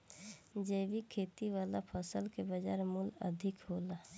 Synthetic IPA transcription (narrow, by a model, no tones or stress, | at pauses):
d͡ʒeːʋikʰeːt̪iʋaːlapʰəsəlkebəd͡ʒaːɾmulə̰d̪ʱɪkɦoːla